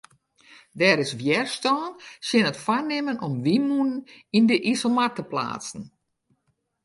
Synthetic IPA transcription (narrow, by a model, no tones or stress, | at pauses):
dɛːɾɪsʋjɛrstɔːnsjɪnətfanɪmənʔɔmʋimunənindəʔisomatəpla̰ːtsn̩